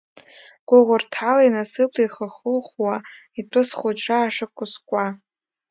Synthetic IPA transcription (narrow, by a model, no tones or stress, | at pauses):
ɡ̥ʷʊʁʷʊrtʰalajnasɨpʰʼiχəχəlχwa | itʰʼɨsχʷʊt͡ʃʷʰʼaːʂɨkʷʰʼʊskʷʼa